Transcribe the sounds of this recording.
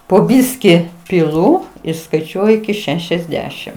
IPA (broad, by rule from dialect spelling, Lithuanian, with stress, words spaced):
poː ˈbʲɪsʲkʲɪ pʲɪˈlˠʊ ɪr skɐɪˈt͡ʃʲuɔjʊ ɪkʲɪ ˈʃʲæːʃʲɛzʲˌdʲæːʃʲɪm